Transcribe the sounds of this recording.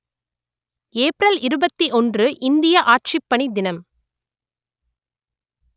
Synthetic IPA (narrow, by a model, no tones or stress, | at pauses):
eːpɾɐlɪɾɯbɐt̪ːiʔɔndrɯʔɪnd̪ɪjɐʔaːʈ̚t͡ʃɪpːɐɳid̪ɪnɐm